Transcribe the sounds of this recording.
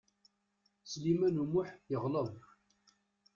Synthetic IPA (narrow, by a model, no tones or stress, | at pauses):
slimænumʊħjəʁləðˤ